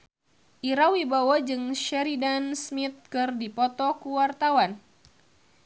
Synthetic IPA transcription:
ʔiɾawibawad͡ʒɨŋʃɛɾidansmit̪̚kɨrdipɔt̪ɔkuwart̪awan

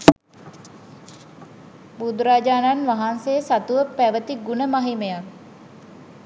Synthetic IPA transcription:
bud̪uɾaːd͡ʒaːnanʋaɦansejəsat̪uʋəpæʋət̪iɡunəmaɦimejak

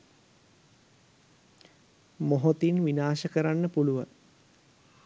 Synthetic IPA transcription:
moɦot̪inʋinaːʃəkəɾanːəpuluʋa̰ŋ

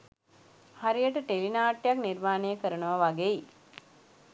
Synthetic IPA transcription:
haɾijəʈəʈelinaːʈːjakniɾmaːnejəkəɾənəʋəʋaɡeji

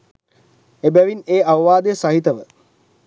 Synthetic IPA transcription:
ebæʋineːʔaʋʋaːd̪əjəsaɦit̪əʋə

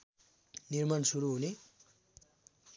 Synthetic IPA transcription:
nirmansuɾuɦule

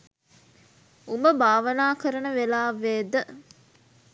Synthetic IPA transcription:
umbəbaːʋənaːkəɾɐnəʋelaːʋeːd̪ə

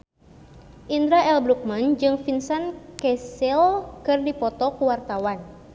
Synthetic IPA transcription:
ʔind̪ɾaɛlbɾuk̚mand͡ʒɨŋfinsankɛsɛlkɨrdipɔt̪ɔkuwart̪awan

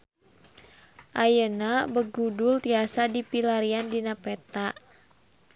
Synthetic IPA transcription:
ʔajənabəɡudult̪iasadipilaɾiandinapɛt̪aʔ

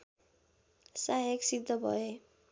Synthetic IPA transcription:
saɦeksid̪ʱːʌbʱʌ̰e

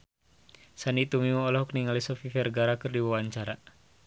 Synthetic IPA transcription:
sanit̪umimɔːlɔhɔkniŋalisɔfifɛrɡaɾakɨrdiwawaɲt͡ʃaɾa

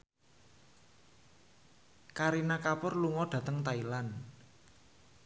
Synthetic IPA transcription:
kaɾinakapʊrluŋɔɖ̥ä̤t̪əŋt̪ailan

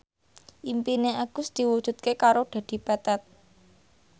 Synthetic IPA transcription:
ʔimpineʔaɡ̥ʊ̤sd̪̥i̤wud̥ʒ̥ṳt̪̚kekaɾoɖ̥ä̤d̪̥i̤pat̪ɛt̪̚

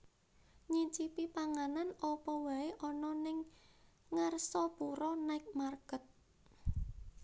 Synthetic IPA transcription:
ɲit͡ʃipipaŋananɔpɔwaeʔɔnɔnɪŋ | ŋarsɔpuɾɔnaɪk̚marɡ̥ə̤t̪̚

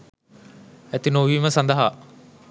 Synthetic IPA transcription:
æt̪inoʋiːməsand̪əɦa

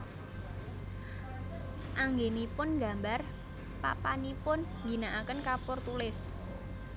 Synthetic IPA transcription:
ʔaŋɡenipʊnɡa̤mbar | pa̰panipʊn | ɡi̤naʔakənkapʊrt̪ulɪs

